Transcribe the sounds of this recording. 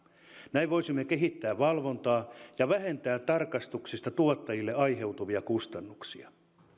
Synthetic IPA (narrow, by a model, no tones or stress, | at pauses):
næiʋʋo̞isimːekeɦit̪ːæːʋʋɑlʋo̞nt̪ɑːjɑʋæɦe̞nt̪æːt̪ːɑrkɑst̪uksist̪ɑt̪uot̪ːɑjilːeɑjɦe̞wt̪uʋiɑkust̪ɑnːuksiɑ